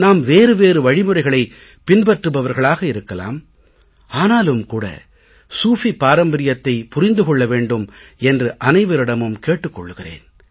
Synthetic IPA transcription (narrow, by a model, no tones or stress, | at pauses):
naːmʋeːɾɯʋeːɾɯʋɐɻɪmɯrɐɪɣɐɭɐɪ | pɪnbɐʈrɯbɐʋɐɾɣɐɭaːɣɐɪɾɯkːɐla̰ːm | aːnaːlɯmkuːɽɐ̰ | suːfipːaːɾɐmbɐɾɪjɐt̪ːɐɪpʊrɪnd̪ɯkɔɭːɐʋeːɳɖɯmɛndrɯʔɐnɐɪʋɐɾɪɽɐmɯmkeːʈːɯkːɔɭːɯɣɪrḛːn